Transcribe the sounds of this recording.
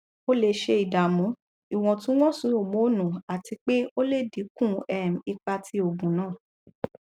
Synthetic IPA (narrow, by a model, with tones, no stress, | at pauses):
o˦le˧ʃe˧i˨da˨mũ˨˦ | i˨w̃ɔ̃˧tũ˦w̃ɔ̃˦sũ˨˦o˨mo˨˦nũ˨a˨ti˧k͡pe˦o˦le˦˨di˨˦kũ˦˨ɛ˦˨m̩˨i˧k͡pa˧tʰi˧˦o˨ɡũ˨nãː˦˨